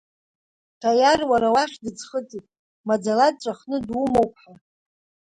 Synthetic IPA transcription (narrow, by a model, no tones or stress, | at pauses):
tʰajarwaɾawaχʲdɨd͡zχətʼitʼ | mad͡zalat̚ʼt͡ʃʷʼaχnɨdwumowpʰħa